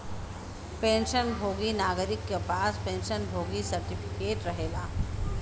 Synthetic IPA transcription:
pẽːnʃənbʱoːɡinaːɡəɾɪkːepaːspẽːnʃənbʱoːɡisəɾʈɪpʰɪkeːʈɾɐɦeːɡaː

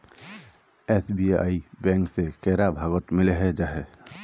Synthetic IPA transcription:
esbia̰ibɛ̃ŋksekɛɾabʱaɡɔt̪mɪleɦɛd͡ʒaɦɛ

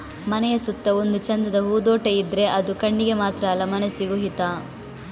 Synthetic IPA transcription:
mɐnɛjɐsut̪ːɐond̪ut͡ʃɐnd̪ɐd̪ɐɦuːd̪oːʈeid̪ɾe̞ʔɐd̪ukɐɳːiɡe̞maːt̪ɾɐːlɐmɐnɐsiɡuɦit̪aː

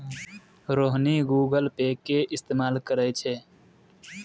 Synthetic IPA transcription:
ɾoːɦniɡuːɡəlpeːkːeʔɪst̪eːmaːlkəɾɛt͡ʃʰeː

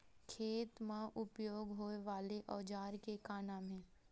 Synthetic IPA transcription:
kʰeːt̪mãʔʊpjoːɡɦoeʋaːleʔɔːd͡ʒaːɾkekaːnãmẽː

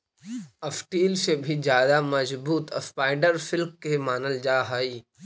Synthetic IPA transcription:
ɐfʈiːlsebʱizjaːd̪amɐzbuːt̪ɐspaːɪɖəɾfɪlkkemaːnəld͡ʑaːɦaːiː

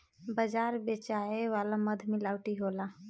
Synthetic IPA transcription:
bəd͡ʒaːɾbeːt͡ʃaːeʋaːlaməd̪ʱmɪlaːwʈiɦoːlaː

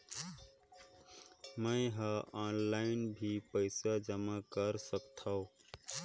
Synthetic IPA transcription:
məɪ̃ɦʌ̃anlaɪnbʱipəɪsad͡ʒəmakəɾsəkt̪ʰʌʊ

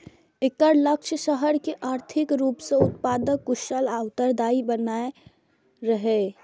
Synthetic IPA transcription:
ɪkəɾləkʃʰəʃəɦəɾkeʔaːɾt̪ʰɪkɾuːpseʊt̪paːd̪əkːʊʃəlaːʋt̪əɾd̪aːibənaːe | ɾəɦe

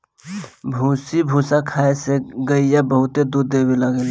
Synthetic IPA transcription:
bʱusibʱusakʰaːeseɡəijabəɦʊt̪ed̪uɾd̪ebiləɡel

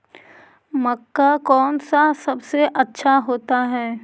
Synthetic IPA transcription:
mɐkːakɔːnsasɐbseʔɐtːʃʰaɦoːt̪aɦɛː

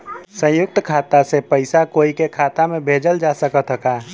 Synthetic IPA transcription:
sə̃jʊk̚t̪kʰaːt̪asepəɪsakoːikekʰaːt̪amẽbʱeːd͡ʒəld͡ʒasəkət̪ɦəkaː

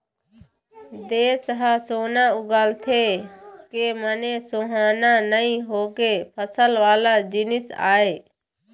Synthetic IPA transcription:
d̪eːsəɦasoːnaːʊɡaːlt̪ʰeːkeːməneːsõːɦaːnaːnəĩɦoːkeːpʰəsəlʋaːlaːd͡ʒɪnɪsa̰ːeː

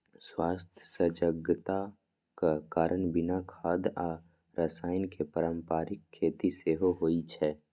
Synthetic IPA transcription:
swaːst̪ʰjəsəd͡ʒəɡt̪a | kakaːɾʔənbɪnakʰaːd̪a | ɾasaːɪnkepəɾə̃mpaːɾɪkʰːeːt̪iseːɦoɦoːit͡ʃʰɛː

